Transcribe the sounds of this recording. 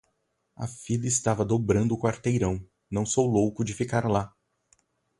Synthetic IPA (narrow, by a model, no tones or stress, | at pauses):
ɐ̰fid̪ɐɪst̪avɐd̪obɾɐ̃nd̪ʊkwaɾt̪ejɾɐ̃w̃ | nɐ̃w̃sowlowkʊd͡ʒɪfikaɾla